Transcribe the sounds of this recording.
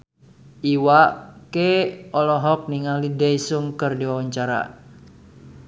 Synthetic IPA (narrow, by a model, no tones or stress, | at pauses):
ʔiwakeɔlɔɦɔk̚niŋalidɛjsuŋkɨrdiwawaɲt͡ʃaɾa̰